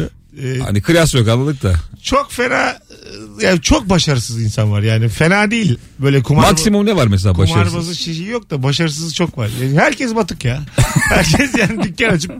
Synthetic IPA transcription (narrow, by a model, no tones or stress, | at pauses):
ɛːa̰nikʰɯɾjasjo̞kanlˠad̪ɯkt̪ʰat͡ʃʰo̞kfe̞naːjaːt͡ʃʰo̞k̚baʃaɾɯsɯzinsanvaɾjaːnife̞naːd̪ejilʲ | bø̞jlʲɛkʰumaaksimumnɛvaɾmɛs̬elʲaːbaʃumaɾɾbazɯʃeʃijijo̞k̚d̪abaʃaɾɯs̬ɯzt͡ʃʰo̞kvaɾjaːnɦæɾcʰɛsbat̪ʰɯkjahæɾcʰɛsjaːnid̪ycːanat͡ʃʰɯp̚